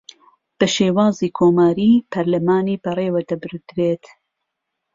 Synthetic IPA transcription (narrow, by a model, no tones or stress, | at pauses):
b̥ɐʃeːwaːziːkʰoːmaːɾiːpʰɐɾlɐmaːniːbɐreːwɐd̪ɐbɨɾd̪ɾeːt̪